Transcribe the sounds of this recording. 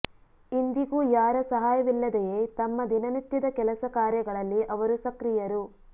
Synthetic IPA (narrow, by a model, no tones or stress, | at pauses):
ind̪iɡujaːɾɐsɐɦaːjɐʋilːɐd̪ejeːt̪ɐmːɐd̪inɐnit̪jɐd̪ɐkɛlɐsɐkaːɾjɐɡɐɭɐlːiʔɐʋɐɾusɐkɾijɐɾu